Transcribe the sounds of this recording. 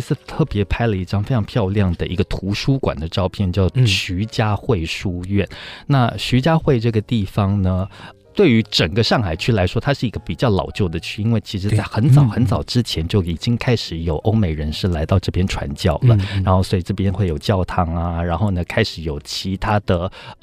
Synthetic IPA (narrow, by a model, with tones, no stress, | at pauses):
sɹ̩˥˧t̪ʰɤ˥˩pjɛ˧˥pʰa˥ɪlə˨i˥˩ʈ͡ʂɑ˥ŋfe˥ɪʈ͡ʂʰɑ˧˥ŋpʰjɑ˥˧ʊljɑ˥˩ŋd̪ə˩ʔi˧˥ɡə˧t̪ʰu˧˥ʂu˥kwa̰˨˩nd̪ə˦ʈ͡ʂɑ˥˧ʊpʰjɛ˥˩nt͡ɕjɑ˥˩ʊɕy˧˥t͡ɕja˥xwe˥˩ɪʂu˥ɥɛ˥˩nna˥˩ɕy˧˥t͡ɕja˥xwe˥˧ɪʈ͡ʂɤ˥˩ɡə˩t̪i˥˩fɑ˧˩ŋnə˨˩ | t̪we˥˩ɪy˧˥ʈ͡ʂə˨˩ŋɡə˦ʂɑ˥˩ŋxa˨˩ɪt͡ɕʰy˥˩la˧˥ɪʂwɔ˥t̪ʰa˥ʂɻ̩˥˩i˧˥ɡ̥ə˧pi˨˩t͡ɕjɑ˥˩ʊlɑ̰˨˩ʊt͡ɕjo˥˩ʊd̪ə˩t͡ɕʰy˥˩i˥nwe˥˩ɪt͡ɕʰi˧˥ʂɻ̩˧˥t͡sa˥˩ɪxə˧˥nt͡sɑ˨˩˦ʊxə˧˥nt͡sɑ˨˩ʊʈ͡ʂɻ̩˥t͡ɕʰjɛ˧˥nt͡ɕjo˥˩ʊi˨˩t͡ɕi˥ŋkʰa˥ɪʂɻ̩˧˥jo˨˩ʊʔo˥ʊme˧˩ɪɻə˧˥nʂɻ̩˥˩la˧˥ɪt̪ɑ˥˧ʊʈ͡ʂɤ˥˩pjɛ˥nʈ͡ʂʰwa̰˧˥nt͡ɕjɑ˥˩ʊlə̰˩ɻa˧˥nxo˥˩ʊswɔ˧˥i˨˩ʈ͡ʂɤ˥˩pjɛ˥nxwe˥˩ɪjo˨˩ʊt͡ɕjɑ˥˩ʊt̪ʰɑ˥ŋa˩ɻa˧˥nxo˥˩ʊnə˩kʰa˥ɪʂɻ̩˧˥jo˨˩ʊt͡ɕʰi˧˥t̪ʰa˥d̪ə˨